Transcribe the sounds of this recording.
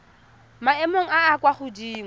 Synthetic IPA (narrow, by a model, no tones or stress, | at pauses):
maɛmoŋ̩aːkwaχʊdiːŋ